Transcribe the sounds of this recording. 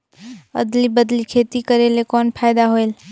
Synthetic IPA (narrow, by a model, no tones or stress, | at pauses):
ə̰d̪libəd̪likʰet̪ikəɾelekɔnpʰajd̪aɦoel